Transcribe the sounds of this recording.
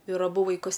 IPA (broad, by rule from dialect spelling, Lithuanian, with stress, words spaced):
ɪr ɐˈbʊ ʋɐɪˈkʊs